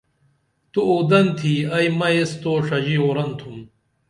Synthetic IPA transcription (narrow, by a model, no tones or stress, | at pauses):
t̪uod̪ɐnt̪ʰiɐjmɐest̪oːʂɐd͡ʑioːɾɐnt̪ʰum